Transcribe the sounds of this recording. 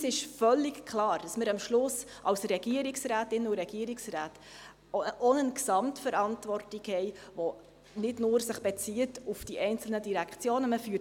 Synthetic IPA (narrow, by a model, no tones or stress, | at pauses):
sɪʃfœlːɪkkʰlɑːɾd̥ɑsməɾɑmʃlʊs | ʔɑwsɾɛɡ̥iəɾiksræːtɪnuɾɛɡiəɾiksraːt | ʔɔnənksɑmtfəɾɑntvɔrtɪɡhɛɪʋɔ | nɪdnʊːɾsəχb̥ɛt͡siətufd̥iʔɛɪnt͡sl̩nədiɾækʰt͡sjoːnəməfyː